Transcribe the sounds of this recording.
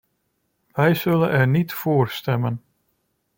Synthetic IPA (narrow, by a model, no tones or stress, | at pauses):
ʋɛjzɵlənɛɹnitfoːrstɛmən